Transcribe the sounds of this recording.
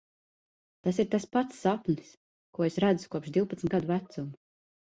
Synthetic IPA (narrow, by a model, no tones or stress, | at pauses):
t̪asiɾt̪aspat̪sːapnʲis | kuɔesɾæd̪zu̥kuɔpʃd̪iwpat̪n̩t̪ɡad̪uvæt̪sum